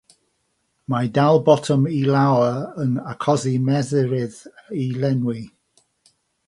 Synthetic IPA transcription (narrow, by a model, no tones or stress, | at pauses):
madalˠbɔtʰɔmilawəənakʰɔzimɛðəɹɪðilɛnwi